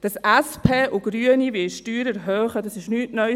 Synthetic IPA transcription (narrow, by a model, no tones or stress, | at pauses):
d̥ɑsʔæspʰeːʔʊɡɾyənivɪʃtyːɾɛɾɦœːχədɑsɪʃnyːtnœ